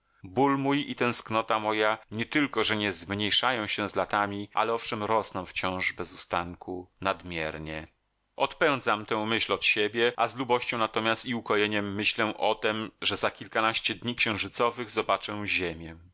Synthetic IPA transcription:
bulmujit̪ɛ̃w̃sknɔt̪amɔjaɲɛt̪ɘlkɔʐɛɲɛzmɲejʂajɔ̃w̃ɕɛzlat̪amʲiʔa̰lɛɔfʂɛmɾɔsnɔ̃w̃ft͡ɕɔ̃w̃ʐbɛzust̪aŋkunad̪mʲjɛɾɲɛ | ɔt̪pɛ̃w̃d̪zamt̪ɛ̃w̃mɘɕlɔt̪ɕebʲjɛʔazlubɔɕt͡ɕɔ̃w̃nat̪ɔmʲjast̪iukɔjeɲɛmːɘɕlɛʔɔt̪ɛmʐɛzakʲilkanaɕt͡ɕɛd̪ɲikɕɛ̃w̃ʐɘt̪sɔvɘɣzɔbat͡ʂɛ̃ʑemʲjɛ

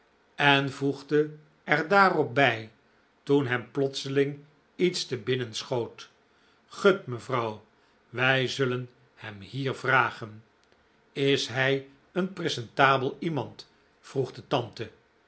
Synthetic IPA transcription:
ɛnvuχdə | ɛrdaːrɔp̚bɛj | tunɦɛmplɔtsəlɪŋ | itstəbɪnənsχowt | χɵtməvrɑw | ʋɛjzɵlən | hɛmhiːɹvraːχən | ɪsɦɛj | ənprezɛntaːbəlˠimɑnt | fruχdətɑntə

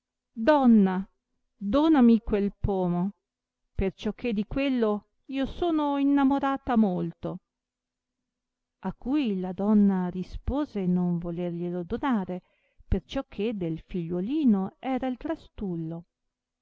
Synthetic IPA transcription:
d̪ɔnːa | d̪oːnamikwelpoːmo | pert͡ʃɔkʰːed̪ikwelːo | iːosoːnoinːamoɾaːt̪amolt̪o | akːujlad̪ɔnːaɾispoːzenoɱvolerʎelod̪onaːɾe | pert͡ʃɔkʰːed̪elfiʎːoliːnoɛːɾailt̪ɾast̪ulːo

